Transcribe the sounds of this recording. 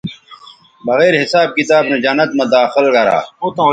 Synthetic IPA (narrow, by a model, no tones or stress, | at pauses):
bɐɣeːɾɦɪsaːb̚kit̪aːbned͡ʑɐnːɐt̪mɐd̪aːxɪlɡɐɾa̰ːot̪õ